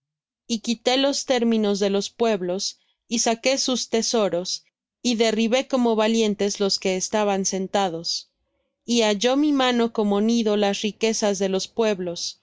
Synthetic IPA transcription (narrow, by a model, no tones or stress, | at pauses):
ikit̪e̞lo̞st̪e̞ɾmĩno̞zðe̞lo̞spwe̞βlo̞s | isake̞sust̪e̞so̞ɾo̞s | iðe̞riβe̞ko̞mo̞βalje̞nt̪e̞zlo̞ske̞ːst̪aβanse̞nt̪að̞o̞s | iaʝo̞mimãno̞ko̞mo̞niðo̞lasrike̞sazðe̞lo̞spwe̞βlo̞s